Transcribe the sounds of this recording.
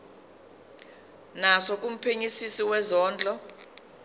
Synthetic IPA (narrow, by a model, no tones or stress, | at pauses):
nasɔk̬ʼum̩pʰeɲisisiwɛzɔːnd͡ɮʱɔ